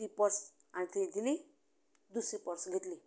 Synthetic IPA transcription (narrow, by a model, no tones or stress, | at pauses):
ipəɾs | añit̪ʰed̪ili | d̪usipɔɾsɡʱet̪li